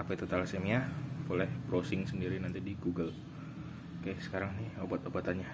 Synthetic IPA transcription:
apat̪ut̪alsemiabolɛhbɾosɪŋsəndiɾinant̪idiɡuɡəl | kajaʔsə̥kaɾaŋnɪhobat̪obat̪aɲa

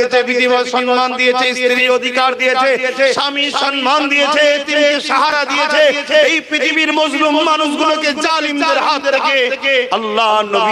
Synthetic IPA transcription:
eebid̪iaʃɔnmand̪iet͡ɕʰesiɾiod̪ʱikaɾd̪ijet͡ɕʰeeʃamiʃɔnmand̪ijet͡ɕʰet̪inikeʃaɦaɾad̪ijeet͡ɕejpit̪ʰibiɾmod͡ʒbumːanuʃɡuloked͡ʒalimd̪eɾɦad̪eɾkeeɐlːaɦnobi

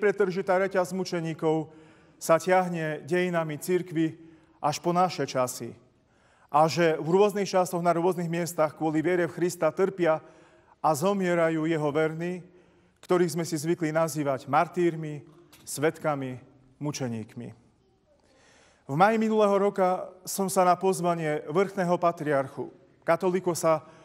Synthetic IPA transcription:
pɾɛt̪ːr̩ʒit̪aːɾɛcazmut͡ʃɛɲiːkɔʊ | sacɪaɦɲɛɟɛjinamit͡siɾkʋi | ʔaʃpɔnaʃɛt͡ʃasḭ | ʔaʒɛvɾʊɔznixt͡ʃasɔɣnaɾʊɔzniɣmɪɛst̪axkʊɔliʋɪɛɾɛfxɾist̪at̪r̩pɪa | ʔazɔmɪɛɾajuːjɛɦɔʋɛɾni | kt̪ɔɾiːɣzmɛsizʋiklinaziːʋaɟmaɾt̪iːɾmi | sʋɛt̪kami | mut͡ʃɛɲḭːkmḭ | vmajiminulɛːɦɔɾɔkasɔmsanapɔzʋaɲɪɛʋr̩xnɛːɦɔpat̪ɾiaɾxṵ | kat̪ɔlikɔsa

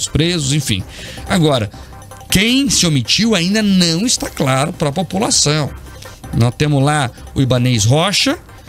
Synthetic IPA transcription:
spɾezʊzẽfḭ̃j̃aɡɔɾɐ̰ | kẽj̃sɪomit͡ʃiwaĩnd̪ɐnɐ̃w̃ɪst̪aklaɾʊpɾɐpopulasɐ̃w̃ | nɔst̪ẽmʊzlaʊibanejsɦɔʃɐ

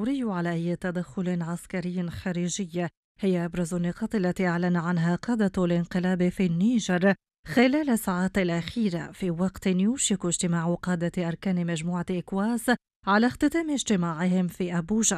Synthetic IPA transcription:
ɾɪjːʕalaʔajːt̪ad̪axːʊlʕaskaɾɪjːxaɾiːʒɪjːa | hɪjːaʔabɾˤɑzanːɪqɑːt̪ˤʔalːat̪iːʔaʕlanaʕanɦaqɑːd̪alɪnqɪlaːbfinːiːʒɑɾˤ | xɪlaːlasːaʕaːt̪ɪlʔaxiːɾa̰fiːwɑqt̪ɪnjuːʃɪkɪʒt̪ɪmaːʕʊqɑːd̪aʔɑɾˤkaːnɪmaʒmuːʕaʔɪkwaːs | ʕalaxt̪ɪt̪aːmɪʒt̪ɪmaːʕɪhɪmfiːʔabuːʒa

